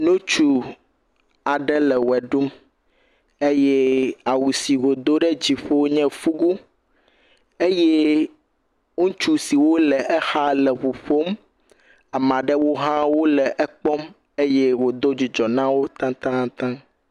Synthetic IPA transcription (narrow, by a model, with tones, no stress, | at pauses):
nũ˦t͡ʃu˦ | a˨ɖɛ˦lɛ˨wɛ˨ɖu˦m | e˦jɛ˦a˨wu˨si˨ɣo˨d̪o˦ɖɛ˦d͡ʑi˨ɸo˦ɲɛ̃˦fu˦ɡu˦ | e˦jɛ˦ | ŋũ˦t͡ʃu˦si˨wo˦lɛ˨ʔɛ˦xa˦lɛ˨ɸu˨ɸo˦m | a˨mã˨ɖɛ˦wo˦ɦã˦wo˦lɛ˨ʔɛ˦k͡pɔ˦m | e˦jɛ˦wo˨d̪o˦d͡ʑi˨d͡ʒɔ˨nã˦wo˦t̪ã˦t̪ã˦t̪ã˦